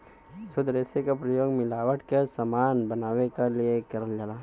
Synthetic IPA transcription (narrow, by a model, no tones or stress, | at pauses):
sʊd̪ɾeːsekapɾɐjoːɡmɪlaːʋəʈkesɐmaːnbɐnaːʋekaliekɐɾəld͡ʒaːlaː